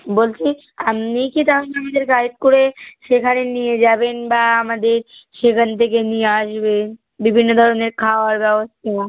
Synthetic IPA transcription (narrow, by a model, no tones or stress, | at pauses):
bolt͡ʃʰi | amnikit̪anamad̪eɾkaɾp̚koɾeʃekʰaɾenijed͡ʒabenbaamad̪eɾʃekənt̪ʰek̬enijeaʃbe | bibʱinːod̪ʱɔɾoneɾkʰaaɾbɛbəst̪ʰaa